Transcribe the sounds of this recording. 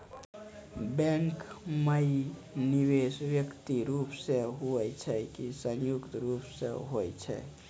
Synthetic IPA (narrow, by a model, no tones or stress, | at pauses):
bɛ̃ŋkməiniwesʋjəkt̪iɾupseɦuɛt͡ʃʰɛkisə̃njukt̪ɾupsḛɦojt͡ʃʰɛ̰